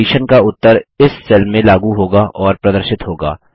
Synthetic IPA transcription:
iːʃənkaʊt̪ːəɾɪssɛlmẽlaːɡuɦoːɡaʔʔɔːɾpɾɐd̪əɾʃɪt̪ɦoːɡa̰ː

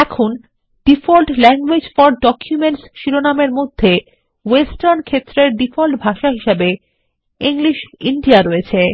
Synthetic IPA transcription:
ɛkʰun | ɖ̥ifɔlʈlɛŋɡwed͡ʑfɔɾɖɔkʰjumeɳʈsʃiɾonameɾmod̪ʱːe | wesʈaɾnkʰet̪ːɾeɾɖifɔlʈbʱaʃaɦiʃebe | iŋliʃiɳɖiaɾoet͡ɕʰe

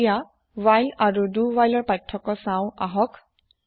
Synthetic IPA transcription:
ja | wajlaɹuduwajlɔɹpajtʰːɔkɔsãʊ̃aɦɔk

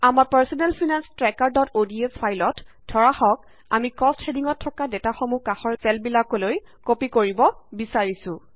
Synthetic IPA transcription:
amapaɹsɔnɛlpʰinanstɹɛkaɹdɔtodiespʰajlɔt | dʰʱɔɹaxɔk̚ | a̰mikɔsthediŋɔtʰːɔkadɛtaxɔmukaxɔɹpɛlbilakolojkopikoɹibɔbisaɹisʊ̃

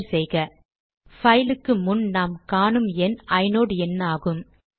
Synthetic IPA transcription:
lsɛjɣɐ | fɐɪlɯkːɯmʊnnaːmkaːnɯmɛnɐɪnoːɽɯɛnːaːɣɯm

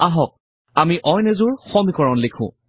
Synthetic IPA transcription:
aɦɔk̚ | amiʔɔjnezʊɹxɔmikɔɹɔnlekʰʊ̰̃

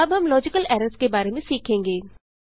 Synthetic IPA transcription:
ɐbɦɐmlɔːd͡ʒɪkəlɛːɾəɾskebaːɾemẽsiːkʰẽːŋɡeː

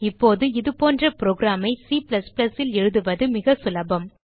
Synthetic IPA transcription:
ɪpːoːðɯɪðɯpoːndrɐpɪɾoːɡɾaːmɐɪsiːpɪlɐsplɐsɪlɛɻɯðɯʋɐðɯmɪɣɐsʊlɐbɐm

